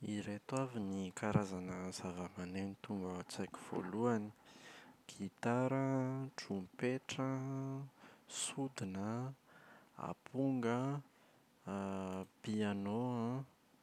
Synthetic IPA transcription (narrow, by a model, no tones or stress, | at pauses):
iɾet̪wavinikaɾazanəzavəmanenit̪uŋɡəat͡sakʲi̥v̥o̰luani̥ɡ̥it̪aɾəʈ͡ʂumpeʈ͡ʂə | sud̪inə | a̰pʰuŋɡə | pianoã